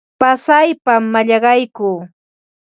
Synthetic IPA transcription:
pasajpamːaʎɑɢɑjkʊː

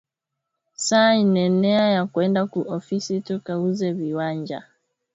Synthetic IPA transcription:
saːinɛnɛajakwɛndakuʔɔfisitukauzɛviwaɲd͡ʒa̰

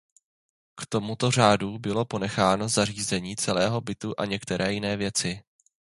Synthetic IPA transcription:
kt̪o̞mut̪o̞r̝aːdubɪlo̞po̞nɛxaːno̞zar̝iːzɛɲiːt͡sɛlɛːɦo̞bɪt̪uʔa̰ɲɛkt̪ɛɾɛːjɪnɛːvjɛt͡sɪ

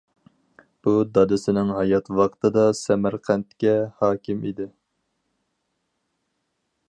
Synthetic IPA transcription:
b̥ud̪ɑd̪ɪsɪnɪŋɦɑjɑt̪wɑqt̪ʰɨd̪ɑsɛmæɾqʰɛnt̪kʲɛhɑːkʲɪmid̪ɪ

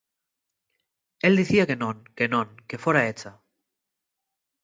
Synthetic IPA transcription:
eld̪iθiakenõŋkenõŋke̞foɾaet͡sa

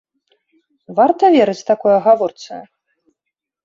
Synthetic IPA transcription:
vart̪ɐvʲeɾɨt͡sʲt̪akɔjɐɣavɔrt̪sɨ̰ɐ

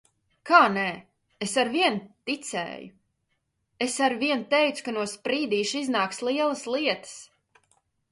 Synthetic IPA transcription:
kaːnɛ | esaɾviɛnt̪it̪sɛ̰ːju | esaɾviɛnt̪ɛjt̪su̥kanuɔspɾiːd̪iːʃiznaːkslˠiɛlˠəsliɛt̪ə̥s

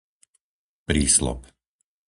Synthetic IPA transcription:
pɾiːslɔ̰p

